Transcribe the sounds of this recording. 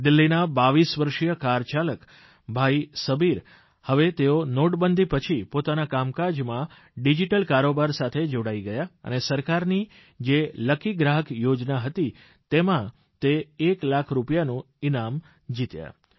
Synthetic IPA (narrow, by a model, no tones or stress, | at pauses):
d̪ɪlːinabaʋisʋəɾʃijəkaɾt͡ʃalək | bʱaisəbiɾ | həʋet̪eonoɽbənd̪ʱipət͡ʃʰipot̪anakamkad͡ʒmã | ɖid͡ʒiʈəlkaɾobaɾsat̪ʰed͡ʒoɽaiɡəjaə̰nesəɾkaɾni | d͡ʒeləkiɡɾaɦəkjod͡ʒnaɦət̪i | t̪emã | t̪eːklakʰɾupjanũ | inam | d͡ʒit̪ja̰